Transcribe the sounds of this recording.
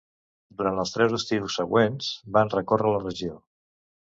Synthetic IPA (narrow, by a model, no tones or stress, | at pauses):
d̪uɾant̪əlˠst̪ɾɛwzəst̪iusːəɣwenz̥banrəkorələrəʒio